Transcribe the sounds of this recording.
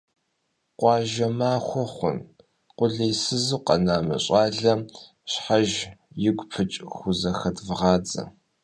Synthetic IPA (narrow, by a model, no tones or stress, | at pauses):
qʷɑːʒɐmaːxʷɔχʷʊn | qʷʊɮɐjsɨzɨqɐ̰naːmɐ̰ɕʼɑːɮɐ | ɕħaʒ | jɪɡʷʼpʰɨt͡ʃʼxʷʊzɐxɐdvɨʁɑːd͡zɐ̰